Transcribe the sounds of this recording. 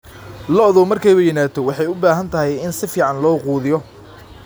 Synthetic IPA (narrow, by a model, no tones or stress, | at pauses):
lɔðɔmɐrkʰɛjʊjɪnaːt̪ʰɔwɑħɑjʊbaːɦɐnt̪ʰɐɦɛjɪnsɪfiːʕɑnlɔːquːðɪjɔ